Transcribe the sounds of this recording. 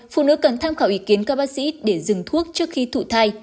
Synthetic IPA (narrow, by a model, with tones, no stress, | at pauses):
fṵ˧˨nɨ̰˧˥kə˨˩nt̪ʰaː˧mxaː˧˩wʔi˨˦ki˨˦ənkaː˦˥k̚ɓa˦˥k̚sḭ˧˥ɗe˧˩zɨ˨˩ŋt̪ʰu˦˥ək̚t͡ɕɨ˦˥ək̚xi˧t̪ʰṵ˧˨t̪ʰaː˧j